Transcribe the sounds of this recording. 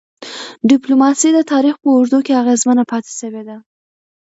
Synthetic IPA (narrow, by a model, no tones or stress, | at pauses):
ɖɪplomɑsid̪ət̪ɑɾixpəʊɾd̪ukeaɣezmənapɑt̪e̥ʃəwed̪a